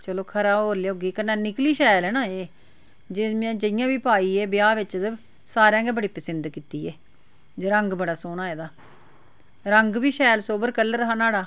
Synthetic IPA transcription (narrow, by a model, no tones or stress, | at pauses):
t͡ʃəloːkʰəɾaːɦoːɾleːɦoːɡiːkənːãːnɪkliːʃɛːlɦɛːnãːeː | d͡ʒɪãːd͡ʒəɪjãːʋiːpaːiːeːbɪjaːʋɪt͡ʃd̪ə | saːɾjãːɡeːbəɽiːpəsɪnd̪kiːt̪iːeː | d͡ʒoɾəŋɡbəɽaːsoːnãːeːd̪aː | ɾəŋɡʋiːʃɛːlsoːbəɾkələɾəɦaːnaːɽaː